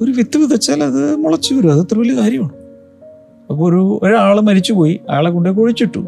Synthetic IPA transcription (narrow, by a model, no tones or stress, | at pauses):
oɾuʋit̪ːiʋiðɐt͡ɕːaːlɐðɨmuɭɐt͡ɕːuʋɐɾuɐðɐt̪ːrɨʋɐlːikaːɾjɐmɐɳɨ | ɐpːooɾuoɾaːɭɨmɐɾit͡ɕːupo̞ːjiɐ̰jaːɭek̬ːuɳɖek̬oɻit͡ɕːiʈːṵ